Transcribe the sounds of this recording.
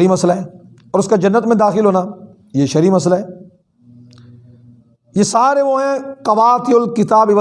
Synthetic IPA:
ɾiːmɐslaɦɛː | ɔːɾʊskad͡ʒɐnːət̪mẽd̪aːxɪlɦoːna | jeʃɐɾiːmɐs̬laɦɛː | jesaːɾeʋoɦɛ̃kɐʋaːt̪iʊlkɪt̪aːbɪʋ

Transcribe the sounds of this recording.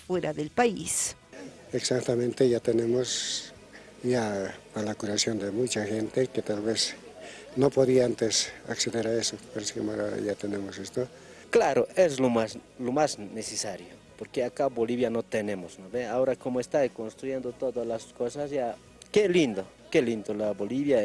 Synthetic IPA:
fweɾaðelpaḭs | eksakt̪amẽnt̪ejat̪enemos | japalakuɾasjond̪emut͡ʃaxent̪eket̪alβes | nopoðiaant̪esa̰kseðeɾaesopaɾeskemaɾa̰jat̪enemosest̪o | klaɾoes̬lomas | lomasnesesaɾjo | poɾkeakaboliβjanot̪enemosnoβeaoɾakomoest̪akonst̪ɾujend̪ot̪oðalaskosasja | kelind̪o | kelind̪olaboliβja

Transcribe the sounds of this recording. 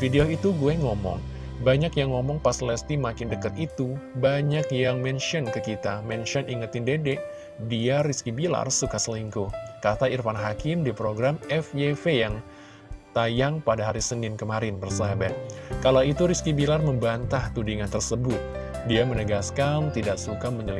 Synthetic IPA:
fideoit̪uɡuɛŋɔmɔ̰ŋ | baɲakjaŋːɔmɔŋpaslɛst̪imakɪndəkət̪it̪ubaɲakjaŋmɛnʃiɔnkəkit̪amɛnʃiɔnʔiŋət̪ɪndedɛʔ | diariskibila̰rsukasəliŋkokat̪airfanɦakɪmdipɾoɡɾamɛfjefejaŋ | t̪ajaŋpadaɦaɾisənɪnkəmaɾɪnbərsabakalawit̪uɾiskibilarməmbant̪aht̪udiŋant̪ərsəbʊt̪̚ | diamənəɡaskamt̪idaʔsukaməɲəli

